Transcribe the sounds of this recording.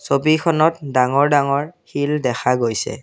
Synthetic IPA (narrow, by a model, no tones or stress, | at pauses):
sobikʰɔnɔt̚daŋɔɹdaŋɔɹxildɛxʰaɡojsɛ̰